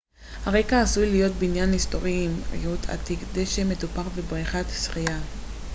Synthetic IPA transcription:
haʁekaːsujlijo̞t̪binjanhisto̞ʁiimḭjutʰa̰tikd̪eʃemːe̞t̪upaʁvebʁiχat̪sχija

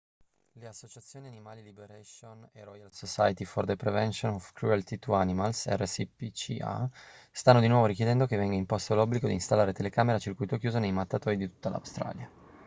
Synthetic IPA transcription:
leasːot͡ʃat̪sːjoːnianimaːlilibeɾasonḛrɔjalsosajt̪ifɔrd̪epɾevɛnsonɔvkɾualt̪it̪uanimalsɛ̰rːesipit͡ʃḭa̰st̪anːod̪inwɔːvoɾikjed̪ɛnd̪okevɛŋɡaimpɔst̪oalɔbːliɡod̪iːnst̪alːaːɾet̪elekaːmeɾat͡ʃirkujt̪okjuːzonejmat̪ːat̪ɔːɾid̪it̪u̥t̪ːala̰wst̪ɾa̰ːlja

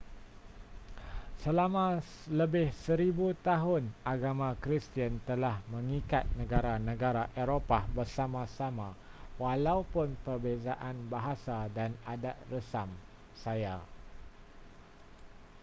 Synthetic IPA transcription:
səlamã | ləbɪhsəɾibut̪aɦʊnaɡamãkɾist̪iənt̪əlahmə̃ŋikat̪̚nə̃ɡaɾanə̃ɡaɾaʔeɾopabərsamãsamãwalaupʊnpərbezaʔanbaɦasadanadaʔ̪̚rəsam | saja

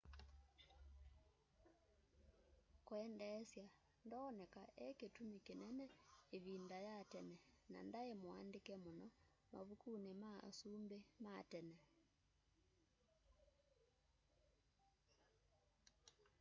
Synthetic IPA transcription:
kwɛndɛsja | ndɔːnɛkaʔɛketumikenɛnɛeβindajatɛnɛna̰ndaemoa̰ndekɛmonɔ | ma̰βukunema̰sumbematɛnɛ

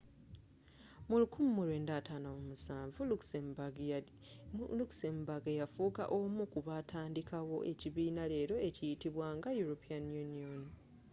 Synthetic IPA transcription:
mulukumumulweːndaːtaːnaomusaːɱvulu | luksembaɡajafuːka̰ʔo̞mukuβatʰaːndikawo̞ʔe̞ciβiːnale̞ːɾo̞e̞cijitiβwaːŋɡajuɾopʰianjunion

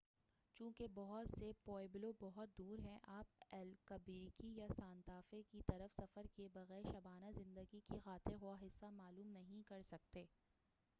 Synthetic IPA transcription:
t͡ʃũːkebɔɦʊt̪sepɔːɪblobɔɦʊt̪̚d̪uːɾɦɛ̃ʔaːpɛːlkɐbikijasaːnt̪aːfekit̪ɐɾəfsɐfəɾkebɐɣɛːɾʃɐbaːnazɪ̃nd̪əɡikixaːt̪ɪɾɦʊaɦɪsːamaːluːmnɐɦĩkɐɾsɐk̚t̪eː

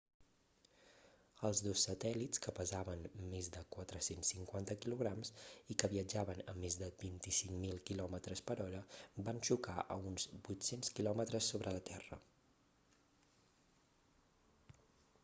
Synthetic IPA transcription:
əlˠzðosːət̪ɛlitt͡skəpəzaβənmezd̪əkwat̪ɾəsensːiŋkwant̪əkiluɣ̞ɾamsikəβiəd͡ʒaβənə̰mːezðəbint̪isiŋmilˠkilɔmət̪ɾəspəɾɔɾəbanʃukaʔə̰unzbut̪senskilɔmət̪ɾəsːoβɾələt̪ɛrə̰

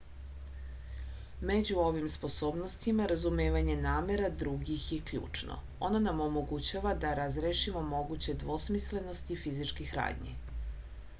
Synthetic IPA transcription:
me̞d͡ʑuo̞ʋimspo̞so̞ːbno̞st̪imaɾazumeːʋaɲe̞naːme̞ɾad̪ɾuɡixjekʎṵːt͡ʂno̰ | onanamo̞mo̞ɡut͡ɕaʋad̪aɾazɾeʃimo̞mo̞ɡut͡ɕe̞d̪ʋo̞smisle̞no̞st̪ifizit͡ʃkixɾa̰ːd̪ɲḭ

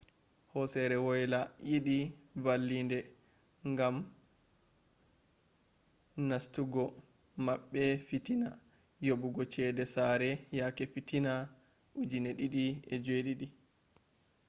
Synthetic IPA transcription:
hɔsɛɾɛwɔjlajiɗivalːindɛ | ŋɡam | nastuɡɔ | maɓːɛfitina | jobuɡɔt͡ʃɛdɛsaɾɛjakɛfitina | ʔud͡ʒinɛɗiɗiɛd͡ʒeɗiɗi

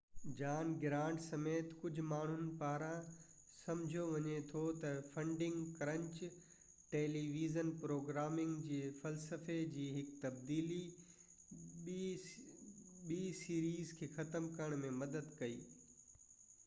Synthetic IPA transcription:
d͡ʑaːnɡɪɾãːɳʈsɐmeːt̪kʊd͡ʑʱʊ̆maːɳ̤ʊnɪ̆paːɾã | sɐ̃md͡ʑʱijoʋɐɲet̪ʰot̪ɐfɐ̃ɳɖɪ̃ŋɡkɾɐ̃ɲt͡ɕ | ʈeːliːʋiːzənpɾoːɡɾaːmɪ̃ŋɡd͡ʑeːfɐlsəfed͡ʑiːɦɪkt̪ɐbd̪iːli | ɓiːsiːɾiːzkʰeːxɐt̪əmkɐɾəɽ̃mẽmɐd̪əd̪kɐiː

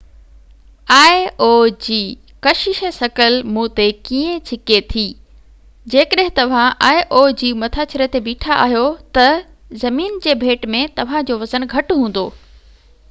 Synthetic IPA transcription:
aːeod͡ʑiː | kɐʃɪʃəsɐkəlmũːt̪ekiːẽt͡ɕʰɪket̪ʰiː | d͡ʑeːkəɗɦɪ̃t̪ɐʋ̤ãʔaːeʔod͡ʑiːmɐt̪ʰaːt͡ɕɪɾet̪ebiːʈʰaʔa̰ːɦijot̪ɐ | zɐmiːnd͡ʑeːbʱeːʈmẽt̪ɐʋ̤ãd͡ʑoːʋɐzənɡʱɐʈɦũːn̆d̪oː

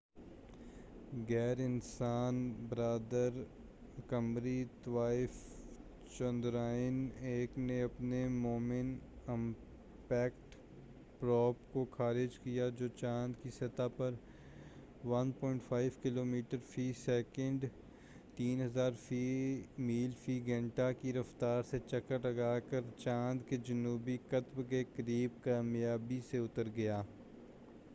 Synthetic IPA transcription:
ɣɛːɾɪnsaːnbɾaːd̪əɾ | kɐmɾit̪ʋaːɪf | t͡ʃɔ̃nd̪ɾaːɪneːkneɐpnemoːmɪnɪm | pɛːkʈ | pɾɔːpkoxʰaːɾɪd͡ʒkijad͡ʒoːt͡ʃãːnd̪kiset̪apɐɾ | ʋɐnpɔːɪ̃ɳʈfʰaːɪʋkɪloːmiːʈəɾfiːsɛːkə̃ɳɖ | t̪iːnɦɐzaːɾfimiːlfiːɡɛ̃ɳʈakiɾɐft̪aːɾset͡ʃɐkːəʈlɐɡaːkəɾt͡ʃãːnd̪ked͡ʒɐnuːbikɐt̪bkekəɾiːb̚kaːmjaːbiseʊt̪əɾɡɐjaː

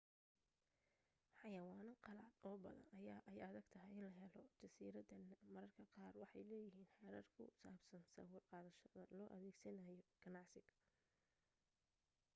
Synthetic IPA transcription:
ħɑjɐwɑːnɐqɑlaːd̪ɔːbɐ̰ðɐ̰nʔɐjaːʔɛjɐðɐɡt̪ʰɐɦɛjɪnlɐɦɛlɔt͡ʃɐsiːɾɐd̪ɐnːmɐɾɐrkʰɐqɑːrwɑħɑjlɛːjɪɦiːnħɛːɾɐrkʰʊ̰saːbsɐnsɐ̰wʊrqɑːðɐʃɐðɐlɔːʔɐðeːɡsɐnɐjɔɡ̥ɐnɑʕsɪɡ

